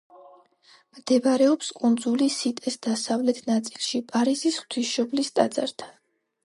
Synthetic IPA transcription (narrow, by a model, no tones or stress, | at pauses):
md̪̥ɛvaɾɛɔpskʼund̪zulisit̪ʼɛsd̪asavlɛt̪ʰnat̪sʼilˠʃipʼaɾizisχt̪ʰisʃɔblist̪ʼad̪zaɾt̪ʰḁ